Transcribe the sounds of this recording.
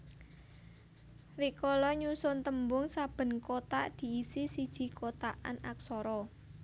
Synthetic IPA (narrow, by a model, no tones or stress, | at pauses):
rikɔlɔɲusʊnt̪əmbʊŋsab̥ə̤nkot̪aʔd̪̥i̤ːsisid̥ʒ̥i̤kʰot̪aʔa̰nak̚sɔɾɔ